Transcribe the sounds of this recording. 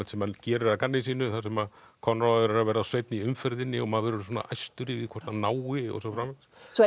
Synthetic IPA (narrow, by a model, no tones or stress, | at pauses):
ɛt̪sɛmancɛːɾɪɾakanːɪs̬iːnʏθasɛmað | kʰɔnːɾaðʏɾaɾavɛːɾasvejt̪niʏmfɛɾðɪnːɪɔmaðvɛːɾʏɾswuɔːna̰ʔajst̪ʏɾɪvɪðkʰvɛɾ̥t̪nanaːwɪɔ̰sɔfɾamvɛs